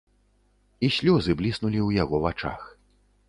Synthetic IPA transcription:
isʲlʲɔzɨblʲisnulʲiwjaɣɔvat͡ʂa̰x

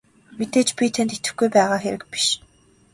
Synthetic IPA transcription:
mit̪eːt͡ɕpʲit̪ʰent̪it̪ɘ̆xɡujpæːʁaːxeɾɘ̆k̚pi̥ʃ

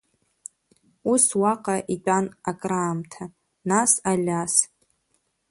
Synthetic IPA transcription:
uswaqʼaʔitʼanakʼraːmtʰa | nasalʲas

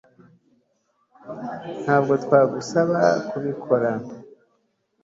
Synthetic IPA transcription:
n̥haːbɡo̞twaːɡusaβakuβikʰo̞ɾa

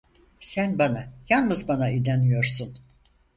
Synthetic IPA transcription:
sænbanajalˠnɯzbanaid̪anyjo̞ɾsun

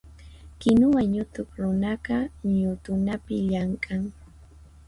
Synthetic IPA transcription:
kɪnʊwaɲʊt̪ʊkɾʊnaɢɑɲʊt̪ʊnapɪʎaɴkʼaŋ

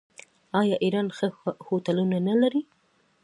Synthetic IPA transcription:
ɑjɑʔiɾɑnxəhot̪alunanalaɾi

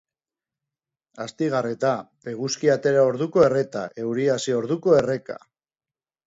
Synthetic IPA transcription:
ast̪iɣ̞aret̪ape̞ɣ̞uskiat̪e̞ɾao̞ɾðuko̞e̞re̞t̪a̰ʔe̞wɾiasio̞ɾðuko̞e̞re̞ka̰

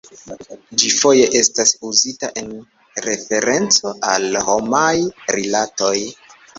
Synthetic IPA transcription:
d͡ʒifo̞je̞ʔe̞stasuzitaʔe̞n | ɾe̞fe̞ɾe̞nt͡so̞alho̞majɾilato̞j

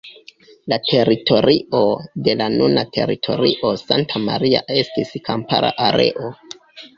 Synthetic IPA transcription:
latʰe̞ɾitʰo̞ɾʔiʔo̞de̞lanunatʰe̞̰ɾḭtʰo̞̰ɾiʔo̞santʰamaɾia̰e̞stiskʰampaɾʔa̰ʔaɾe̞̰ʔo̞

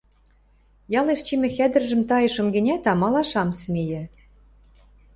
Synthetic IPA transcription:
jɑleʃt͡ɕimʲɘ̆xæd̪ɘ̆rʒɘ̆mt̪ɑjɤ̆ʃɤ̆mɡɘ̆nʲæt̪ɑmɑlɑʃɑmsmʲejɘ̆

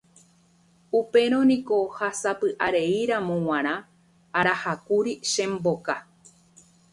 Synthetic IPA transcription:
upe̞ɾ̃õ̞nĩko̞hasapɨʔaɾe̞iɾãmõw̃ãɾ̃ã | aɾahakuɾiʃẽ̞mboka

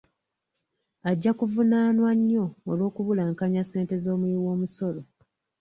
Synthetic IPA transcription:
aɟːakuvunaːnwaɲːo̞ːlo̞ːkuβulaːŋkaɲase̞ːnte̞zo̞ːmwiiwo̞ːmuso̞lo

